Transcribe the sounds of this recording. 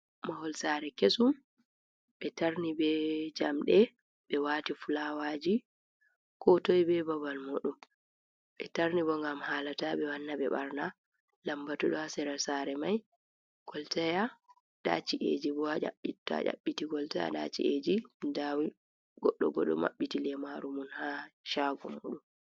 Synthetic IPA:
mahɔlsaɾɛkesum | ɓɛtaɾnibɛd͡ʒamɗɛ | ɓɛwaːtifulawad͡ʒi | kʰɔtojbɛbabalmoɗum | ɓɛtaɾnibɔŋɡamhaːlatabɛwanːabɛ̰ɓa̰ɾna | lambatɔɗɔhasɛɾasaɾɛmaj | ɡ̥ɔltaja | ɗa̰t͡ʃiʔḛd͡ʒibɔhad͡ʒa̰ɓːitːa̰ʔa̰ɓːitiɡɔltaja̰ɗa̰t͡ʃḭʔed͡ʒindawi | ɡ̥ɔɗːɔ̰bɔ̰ɗɔ̰ma̰ɓːitilɛmaɾumunhaʃaɡɔmo̰ːɗum

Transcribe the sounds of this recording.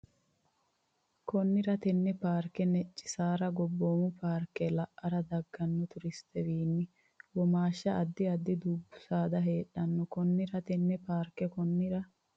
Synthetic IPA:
kɔnːɪɾɐt̪ɛnːɛpaːɾkːɛnɛt͡ʃʼːɪ̥saːɾɐɡɔbːoːmʊpʰaːɾkːɛlɐʔːɐɾɐd̪ɐɡːɐnːɔt̪ʊɾɪst̪ɛwiːnːɪ | wɔmaːʃːɐʔɐd̪ːɪɐd̪ːɪd̪uːbːʊ̥saːd̪ɐɦe̞ːɗːɐnːɔkɔnːɪɾɐt̪ɛnːɛpaːɾkɛkɔnːɪɾɐ

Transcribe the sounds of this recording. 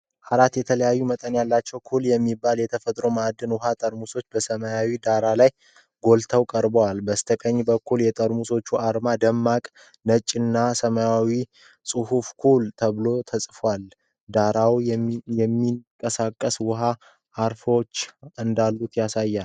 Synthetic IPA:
ʔaɾat̪jɛt̪ʰələjajːumət̪ʼənjalːat͡ʃːɛwkʰuljɛmːibːaljɛt̪ʰəfət̪ʼɾo̞mad̪ːɨnwʊɦat̪ʼəɾmuso̞t͡ʃːbəsəməjawid̪aɾalaj | ɡo̞lt̪ʰəwkʼəɾbəwalbəst̪ʰəkʼəɲːbəkʰːuljɛt̪ʼəɾmuso̞t͡ʃːuʔaɾmad̪əmːakʼ | nət͡ʃʼːɪnːasəməjawi | sʼɨhufkʰult̪ʰəβlo̞t̪ʰəsʼfwal | d̪aɾawjɛmːiŋkʼəsakʼːəswʊɦa | ʔːɾfot͡ʃːɨnd̪alːut̪jasajːal

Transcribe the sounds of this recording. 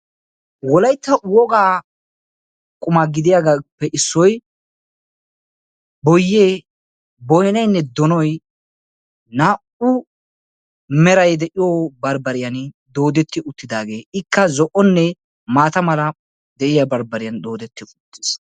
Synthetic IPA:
wɔlɐjt̪ːɐwɔɡaː | kʼʊmaɡɪd̪ɪjaɡapːɛʔɪsːɔj | bɔjːeː | bɔjnɐjnːɛd̪ɔnɔj | naːʔʊ | mɛɾɐjd̪ɛʔɪjoːbɐɾbɐɾɪjɐn | d̪o̞ːd̪ɛt̪ːɪʊt̪ːɪd̪aːɡe̞ːɪkːɐzɔʔɔnːɛ | maːt̪ɐmɐlɐ | d̪ɛʔɪjɐbɐɾbɐɾɪjɐnd̪o̞ːd̪ɛt̪ːɪʊt̪ːɪ̥s

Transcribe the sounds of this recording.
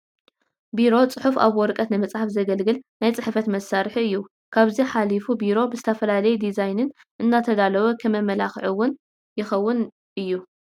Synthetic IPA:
biɾo̞t͡sʼɨħufa̰βwɔɾkʼɐt̪nɨmɐt͡sʼħafzɐɡɐlɡɨlnajt͡sʼɨħfɐt̪mɐsaɾħɨjːu | kʰaβziħalifubiɾo̞bɨzɨt̪ʰɐfɐlalɐjud̪izajnɨn | ʔɨnːat̪ʰɐd̪alɐβɐkʰɐmɐmɐlaxʕuwːʊn | jɪxɐwːʊn | ʔɨjːu

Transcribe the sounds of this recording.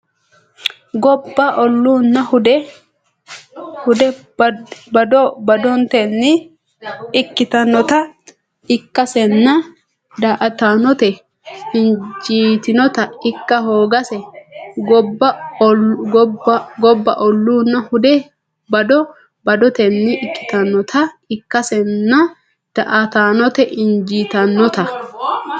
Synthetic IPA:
ɡɔbːɐʔɔlːuːnːɐhʊd̪ɛ | hʊd̪ɛ | bɐd̪ɔbɐd̪ɔnt̪ɛnːɪ | ɪkːɪt̪ɐnɔt̪ɐ | ɪkːɐsɛnːɐ | d̪aːʔɐt̪anɔt̪ɛ | hɪnd͡ʒiːt̪ɪnɔt̪ɐɪkːɐɦo̞ːɡɐsɛɡɔbːɐ | ɡɔbːɐʔɔlːuːnːɐhʊd̪ɛ | bɐd̪ɔ | bɐd̪ɔt̪ɛnːɪʔɪkːɪ̥t̪ɐnːɔt̪ʰɐɪkːɐsɛnːɐ | d̪̥ɐʔɐt̪aːnɔt̪ɛʔɪnd͡ʒiːt̪ɐnːɔt̪ɐ

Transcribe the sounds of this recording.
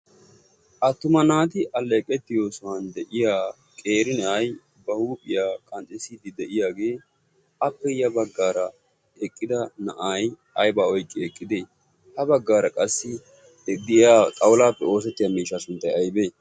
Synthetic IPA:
ʔɐt̪ːʊmɐnaːt̪ɪʔɐlːeːkʼːɛt̪ːɪjo̞ːsɔwɐnd̪ɛʔɪjaː | kʼeːɾɪnɛʔɐj | bɐhuːpʼɪjaːkʼɐnt͡sʼɪsid̪ɪd̪ɛʔɪjaːɡe̞ː | ʔɐpːɛjɐbɐɡːaːɾɐ | ɛkʼːɪd̪ɐnɐ̰ʔaːj | ɐjbaːɔjkʼːɪɛkʼːɪd̪eː | hɐbɐɡːaːɾɐkʼɐsːɪ | d̪ɪjaːtʼɐwʊlaːpːɛo̞ːsɛt̪ːɪjaːmiːʃːaːsʊnt̪ːɐjɐjbe̞ː

